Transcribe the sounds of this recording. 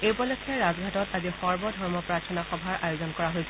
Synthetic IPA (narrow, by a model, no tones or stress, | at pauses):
ejpɔlɔkʰːɛɹazɡʱatɔtazixɔɹbɔdʱɔɹmɔpɹaɹtʰɔnaxɔbʱaɹʔajozɔnkɔɹaɦojs